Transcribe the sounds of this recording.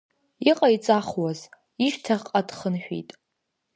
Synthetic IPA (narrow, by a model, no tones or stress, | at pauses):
iqʼait͡sʼaχwaz | iʃtʰaʁqʼadχənħᶣḭtʼ